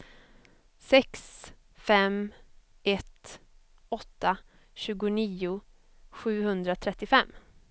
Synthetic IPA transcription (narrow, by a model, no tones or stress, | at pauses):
sɛks | fɛm | ɛt̪ | ɔt̪ːa | ɕʉ̟ːɡʊniːʊ | ɧʉ̟ːhɵnd̪ɾat̪ʰɾɛt̪ːɪfɛmː